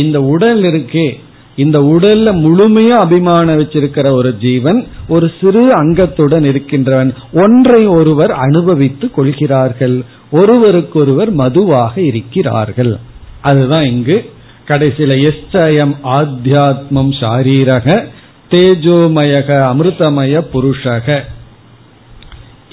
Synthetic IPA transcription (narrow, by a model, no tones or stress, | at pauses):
ɪnd̪ɐʊɽɐlɪɾɯkːeː | ɪnd̪ɐʊɽɐllɐmʊɻʊmɐjaːbɪmaːnɐʋɐt͡ʃːɪɾɯkːɪrɐɔɾɯd͡ʒiːʋɐnɔɾɯsɪɾɯɐŋɡɐt̪ːɯɽɐnɪɾɯkːɪndrɐʋɐn | ɔndrɐɪɔɾɯʋɐɾɐnɯbɐʋɪt̪ːɯkːɔɭɣɪraːɾɣɐɭ | ɔɾɯʋɐɾɯkːɯɔɾɯʋɐɾmɐðɯʋaːɣɐɪɾɯkːɪra̰ːɾɣɐɭʔɐðɯðãːɪŋɡɯ | kɐɽɐɪsɪlɐɛst͡ʃːɐjɐmaːd̪ʱjaːt̪̚mɐmʃaːɾiːɾɐɣɐ | t̪eːd͡ʒoːmɐjɐɣɐɐmɾɯt̪ɐmɐjɐpʊɾɯʂɐɣɐ